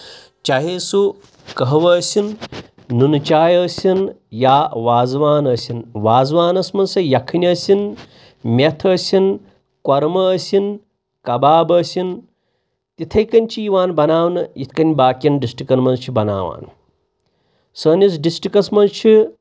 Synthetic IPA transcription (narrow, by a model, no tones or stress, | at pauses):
t͡ʃaɦeːsu | kɐɦɐʋɐːsʲin | nunt͡ʃaːjəːsʲin | jaːʋaːzʋaːnɐːsʲinʋaːzʋaːnɐsmɐnsɐjɐkʰɐnʲɐːsʲin | mʲet̪ʰəːsʲin | kɐɾmɐːsʲin | kɐbaːbɐːsʲin | t̪it̪ʰɐjkɐnʲt͡ʃʰiiʋaːnbɐnaːwnɨjit̪ʰkɐnʲbaːkʲinɖisʈikɐnmɐnzt͡ʃʰibɐna̰ːʋa̰ːn | səːnʲɐs̬ɖisʈikɐsmɐnzt͡ʃʰi